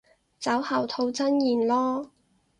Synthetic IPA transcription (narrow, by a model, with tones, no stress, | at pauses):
t͡sɐ˨˥whɐ˨˩wt̪ʰo˧wt͡sɐ˥njiː˨˩nlɔː˥